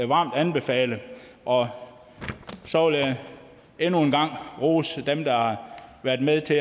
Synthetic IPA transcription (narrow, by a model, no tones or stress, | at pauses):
ʋɑ̈ːmd̥ænb̥e̝fɛ̰ːlə | ʔɒ̽ | sɒ̽ʋel | enue̝nɡ̥ɑ̈ŋ̰ʁoːsd̥emd̥ɑ̈hɑ̈ʋæɐd̥meðˠt͡sʰe̝